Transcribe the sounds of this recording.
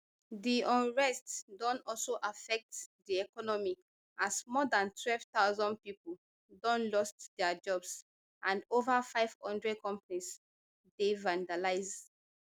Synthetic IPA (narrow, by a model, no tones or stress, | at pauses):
diʔɔ̃nɹɛstdɔ̃nɔlsoʔafɛk̚tdiɛkɔnɔmi | ʔasmɔdãntʰwɛlv̥taʊzɔ̃nd̚pipəl | dɔ̃nlɔstdɛad͡ʒɔbs | ʔãndovafaɪv̥hɔ̃ndɹɛd̚kɔ̃mpanis | devãndalaɪz